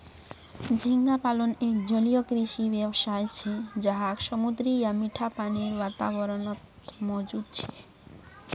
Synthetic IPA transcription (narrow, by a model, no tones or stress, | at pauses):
d͡ʑʱiŋɡapalonekd͡ʑolijokɾiʃibebʃajt͡ɕʰed͡ʑaɦakʃɔmud̪ɾijamiʈʰapaniɾbat̪a̰bɔɾonot̪ | mod͡ʑud̪̚t͡ɕʰe